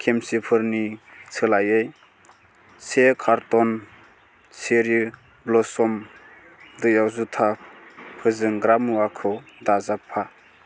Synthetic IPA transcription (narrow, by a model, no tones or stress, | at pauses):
kʰemsipʰɯɾnisʰɯlajɯj | sekʰaɾtɔn | seɾi | blɔsɔm | dɯjawzutʰapʰɯzɯŋɡɾamuakʰɯ | dazapʰa